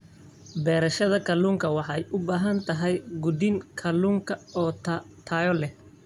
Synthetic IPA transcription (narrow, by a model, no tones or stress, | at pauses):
bɛːɾɐʃɐðɐkʰɐluːŋkʰɐwɑħɑɛjʔʊbaːɦɐnt̪ʰɐɦɛjɡʊd̪ɪŋkʰɐluːŋkʰɐɔːt̪ʰaːjɔlɛh